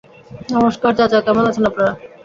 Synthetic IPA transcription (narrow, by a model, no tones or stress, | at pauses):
namoʃkaɾd͡ʑat͡ɕakɛmonat͡ɕʰenapnaɾa